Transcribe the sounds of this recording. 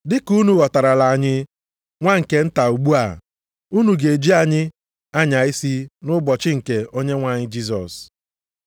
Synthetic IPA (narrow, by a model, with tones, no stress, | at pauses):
dɪ˦ku˦nu˨ɣɔ˨ta˨ɾa˨la˨ɲɪ˦ | ŋʷa˦ŋ̩˨ke˨n̩˦ta˨u˨ɡ͡bu˦a̰˨ | u˦nu˨ɡe˨d͡ʒi˦a˨ɲɪ˦ | a˦ɲa˨i˦si˦nʊ˦bɔ˨t͡ʃɪ˦ŋ̩˨ke˨o˦ɲe˦ŋʷa˨ɲɪ˦d͡ʒi˦s̬ɔ̰˨s